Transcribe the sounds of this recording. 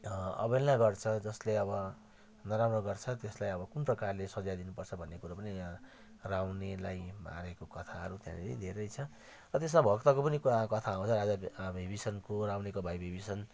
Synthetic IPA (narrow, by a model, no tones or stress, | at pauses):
ʌ̰belnaɡʌrt͡sʰʌd͡zʌsleʌbʌ | nʌɾamrʌɡʌrt͡sʰʌt̪eslajʌbʌkunprʌkarlesʌd͡zajd̪inupʌrt͡sʰʌbʱʌnːekuɾapʌni | rawnelajma̰ɾekokʌt̪ʰaʌ̰ɾut̪jã̰neɾḭd̪ʱeɾʌjt͡sʰʌ | rʌt̪es̬mabʱʌkt̪ʌkopʌnikuakʌt̪ʰaw̃t͡sʰʌɾad͡zabʱibisʌnkorawnekobʱajbʱibisʌn